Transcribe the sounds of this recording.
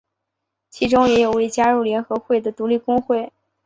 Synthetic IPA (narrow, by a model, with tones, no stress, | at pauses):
t͡ɕʰi˧˥ʈ͡ʂʊ˥ŋjɛ˧˥jo˨˩ʊwe˥˧˩t͡ɕja˥ɻu˥˩ljɛ˧˥nxɤ˧˥xwe˥˩ɪd̪ə˩t̪u˧˥li˥˩kʊ˥ŋxwe˥˩ɪ